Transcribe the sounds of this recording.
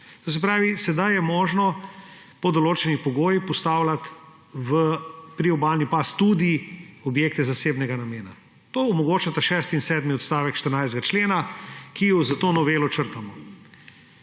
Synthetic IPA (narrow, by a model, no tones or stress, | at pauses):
t̪oːs̬ɛp̬ɾaːʋisɛd̪ajɛmoːʒnɔ | pɔd̪oloːt͡ʃɛnipɔɡoːjixpɔst̪aːwlat̪ | ʋəpɾiɔbaːlnipast̪ud̪iɔbjeːk̚t̪ɛzaseːbnɛɡanameːna | t̪oːɔmɔɡoːt͡ʃat̪aʃɛst̪insɛːd̪miɔt̪st̪aːʋɛkʃt̪əɾnajzd̪ɡat͡ʃleːnakijɔzat̪oːnɔʋelɔt͡ʃəɾt̪amɔ